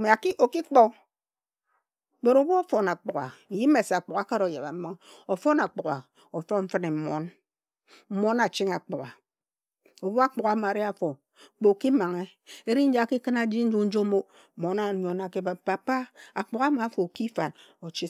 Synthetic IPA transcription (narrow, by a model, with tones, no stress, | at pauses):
me˨a˨ki˦ʔo˨ki˦k͡po˦ | be˨ɾo˨bu˦o˦fo˨na˨k͡pu˨ka̰˨ji˦me˨se˨a˨k͡pu˨ka˨˦ka˦ɾo˨ja˨βa̰˨m̩˦ma˦ŋ˦o˨fo˦na˨k͡pu˨ka˨ | o˨fo˦ɱ̩˦fɨ˦ne˨mo˦n̩˦ | mo˦na˨t͡ʃi˦ŋa˨k͡pu˨ka˨ | o˨bu˦a˦k͡pu˨ɣa˨˦ma˨ɾi˦a˦fo˨ | k͡po˨ki˦ma˨ŋe˦e˦ɾi˦n̩˦d͡ʒa˦˨ki˦kɨ˦na˦d͡ʒi˦n̩˦d͡ʒu˦n̩˦d͡ʒo˦mo˦˨ | mo˨˦na˨ɲ˨o˨na˨ke˦ba˨pa˨pa˦a˨k͡pu˨ka˦ma˨˦fo˨ki˦fa˨n | o˨t͡ʃi˦